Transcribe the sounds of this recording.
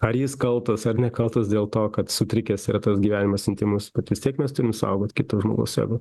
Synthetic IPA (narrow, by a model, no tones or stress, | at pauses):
ɐrjɪskɐlˠt̪ɐsɐrnʲɛkɐlˠt̪ɐsdʲeːlˠt̪oːkɐt̪sʊt̪ʲɾʲɪkʲɛːsɪɾɐt̪ɐsɡʲiʋʲæːnʲɪmɐsʲɪnʲt̪ʲɪmʊsbʲɛt̪ʋʲɪsʲt̪ʲiɛkmʲɛst̪ʊɾʲɪmsʊɐ̰ʊɡoːt̪ʲkʲɪt̪ɐʒmo̰ːɡɐ̰ʊsjæ̰ɡʊ